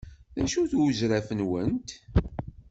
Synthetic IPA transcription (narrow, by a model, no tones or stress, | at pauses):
ðæʃuθwəzɾæfənwənt̪